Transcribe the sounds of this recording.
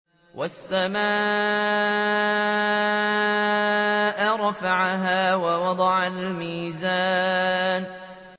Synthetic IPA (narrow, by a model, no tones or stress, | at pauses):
wʔasːamaː | ʔɾˤɑfaʕaɦaːwawɑd̪ˤɑʕalmiːza | n